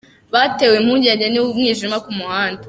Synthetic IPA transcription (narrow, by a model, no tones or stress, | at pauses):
βate̞ːwem̥huːɲɟeːɲɟeniwumŋiːʒimakumuhaːnda